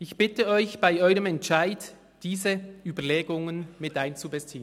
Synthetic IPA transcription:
ɪçb̥ɪtəɔʏçb̥aɪɔʏʁəmɛntʃaɪt | d̥iːzəʔyːbɐleːɡʊŋənmɪtʔaɪnt͡subɛst͡siːən

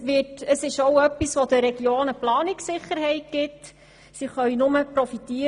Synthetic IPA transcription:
ʋɪtəsɪʃoʊœpːisʋodəɾɛɡ̥joːnəplɑːnɪksɪχəɾɦɛɪt̚ɡ̥ɪt | siχœɥnʊməpɾɔfit̪iː

